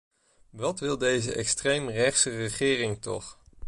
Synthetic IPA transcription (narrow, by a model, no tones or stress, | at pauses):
ʋɑtʋɪlˠdejzəʔɛkstrejmrɛχsərəχɪːrɪŋtɔ̰χ